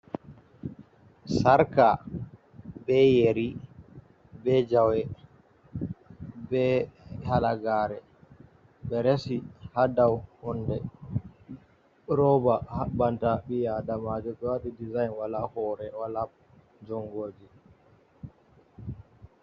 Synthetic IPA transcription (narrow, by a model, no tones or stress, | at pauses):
saɾka | bɛjeɾi | bɛd͡ʒawɛ | bɛhalaɡaːɾɛ | ɓɛɾesihadawhɔndɛ | ɾɔbahabantaɓijadamad͡ʒɔɓɛwaɗidizajnwalahɔɾɛwala | d͡ʒɔŋɡoːd͡ʒi